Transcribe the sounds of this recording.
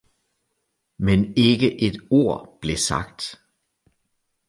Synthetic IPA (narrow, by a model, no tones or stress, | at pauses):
mene̝ɡ̥əʔe̝d̥o̝ɐ̰b̥le̝sɑ̈ɡ̥̚d̥